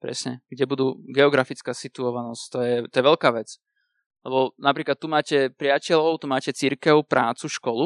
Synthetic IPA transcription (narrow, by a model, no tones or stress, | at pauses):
pɾɛ̰sɲɛɡ̥ɟɛbud̪uːɡɛɔɡɾafit͡skaːsit̪uɔʋanɔsct̪ɔjɛt̪ɔjɛʋɛʎkaːʋɛt͡s | lɛbɔnapɾiːklat̪ːumaːcɛpɾɪacɛʎɔʊt̪umaːcɛt͡siɾkɛʊpɾʔaːt͡suʃkɔlu